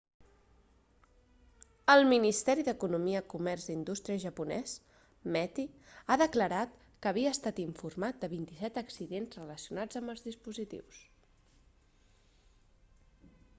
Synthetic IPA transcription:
əlˠminist̪ɛɾiðəkunumiəkumɛrzd̪ind̪ust̪ɾiəʒəpunɛ̰s | mɛt̪i | aðəkləɾat̪ | kəːβiəːst̪at̪iɱfurmat̪̚d̪əβint̪isɛt̪əksiðenzrələsiunad͡zəmbəlˠzðispuzit̪ḭws

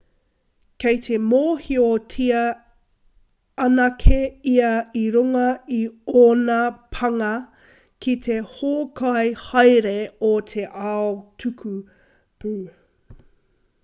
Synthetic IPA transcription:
kejt̪ʰemoːhiotʰiɐ | ɐnɐkʰeiɐiɾuŋɐioːnɐpʰɐŋɐ | kʰit̪ʰe̞hoːkʰajhɐjɾeot̪ʰe̞ʔaotʰʉkʰu | pʉː

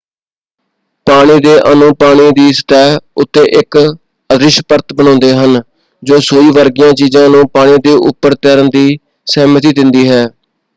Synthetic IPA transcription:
paːɽ̃iːd̪eːʔənũːpaːɽ̃iːd̪iːsə̥t̪ɛːɦʊt̪ːeːʔɪk | əd̪ɾɪʃpəɾt̪bəɳ̃ɔ̃ːnd̪eːɦən | d͡ʒoːsoːiːʋəɾɡɪjãːt͡ʃiːzãːnũːpaːɽ̃iːd̪eːʔʊ̰pːəɾt̪ɛːɾənd̪iː | sɛːmət̪iːd̪ɪnd̪iːɦɛː

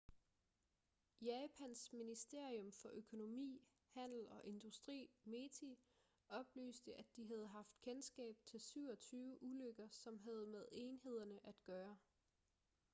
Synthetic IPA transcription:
jɛːpʰænsminisd̥e̝ɐ̰iɔ̽mfɒ̽ʔøkʰo̝no̝mḭː | hæn̰l̩ɒ̽ʔe̝nd̥usd̥ʁḭːme̝t͡sʰi | ɒ̽b̥ly̰ːsd̥əʔæd̥iɦæð̞ˠɦɑ̈fd̥̚kʰensɡ̥ɛ̰ːb̥̚t͡sʰe̝lsyʊ̰ɒt͡sʰyːʊəʔuløɡ̥ɐsɒ̽mɦæð̞ˠmeð̞ˠe̝nhe̝ð̞̰ˠɐnəʔæd̥ɡ̥ɶːɐ

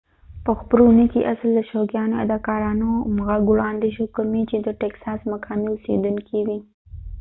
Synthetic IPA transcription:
pəxpəɾonikiʔasəld̪əʃoɡjɑnoa̰d̪ɑkɑɾɑnomɣaɡwɽɑnd̪eʃokamit͡ʃed̪əʈeksɑsmakʰɑmiosḛd̪uŋkʰiwi

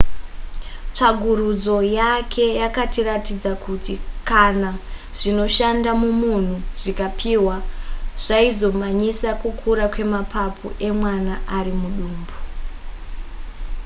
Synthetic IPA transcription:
t͡ʂaɡʱurud͡zo̞jakʰe̞jakatiratid͡zakutikanaʐ̥ino̞ʃandamumun̤uʐ̥ikapʰiwaʐ̥aizo̞maɲisakukʰuɾakwe̞mapʰapʰṵʔe̞mwanaʔaɾimuɗuːmbu

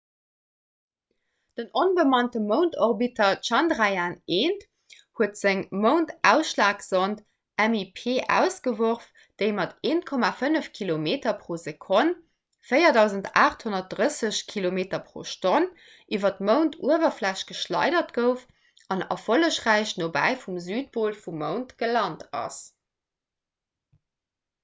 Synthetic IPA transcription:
d̥ənonbəmɑntəməʊntʰoʁbitʰɐtʃɑndʁajaːneːnt | huətz̥əŋməʊntʔæʊsʃlaːksont | æmipʰeːʔæ̰ʊsɡ̥əvoʁf | d̥əɪmɑtʰeːnkʰomafənəfkʰilomeːtɐpʁoːzekʰon | fəɪɐdɑʊzəntaːχthonɐt̚dʁəsəɕkʰilomeːtɐpʁo̰ːʃton | ʔivɐtməʊntʰuəvɐflæɕtɡ̥əʃlɑ̰ɪdɐtɡ̥əʊf | ʔɑnɑ̰foləʃʁæɪɕnobæ̰ɪfumzyːt̚poːlfuməʊntɡ̥əlɑntɑ̰s

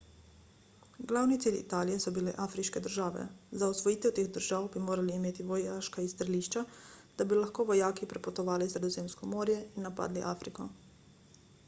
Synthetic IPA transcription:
ɡlawnit̪siːlḭt̪aːlijɛsɔbilɛʔaːfɾiʃkɛd̪əɾʒaːʋɛ̰zaɔsʋɔjiːt̪ɛwt̪eːɣd̪əɾʒaːwbimoːɾaliːmeːt̪iʋɔjaːʃkaist̪ɾɛliːʃt͡ʃad̪̥abilaxkoːʋɔjaːkipɾɛpɔt̪ɔʋaːlisɾɛd̪ɔzeːmskɔmoːɾjɛinːapa̰d̪liʔa̰ːfɾikɔ

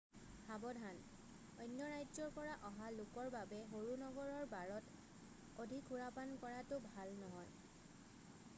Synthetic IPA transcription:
habɔdʱan | ɔjnjɔɹajzɔɹpɔɹaʔɔɦalʊkɔɹbabɛɦoɹunɔɡɔɹɔɹbaɹɔt | odʱikʰuɹapankɔɹatʊbʱalnɔɦɔj

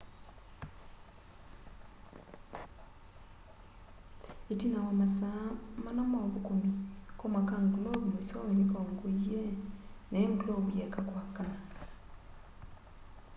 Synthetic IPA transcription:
etinawamasamanamoːβukumikomakaːŋɡuloβuusonikoːŋɡueneːŋkuloβujekakwakana

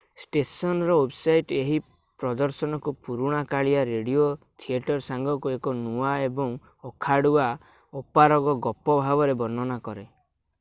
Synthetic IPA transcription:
sʈesɔnɔɾɔwebsajʈeɦi | pɾɔd̪ɔɾsɔnɔkupuɾuɽ̃akaɭiaɾeɽiot̪ʰieʈɔɾsaŋɡʱɔkuekɔnuaebɔŋ | ɔkʰaɽua | opaɾɔɡɔɡɔpɔbʱabɔɾebɔnːɔnakɔɾe

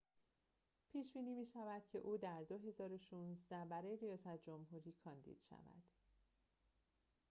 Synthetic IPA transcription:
pʰiːʃb̥iːniːmiːʃævæd̪̥cʰe̞̰ʔuːd̪æɾd̪oɦe̞zɒːɾo̞ʃuːnzd̪æbæɾɒːje̞ɾijɒːsæt̪ʰd͡ʒo̞mɦuːɾiːkʰɒːnd̪ḭːd̪̥ʃæ̰væ̰d̪̥

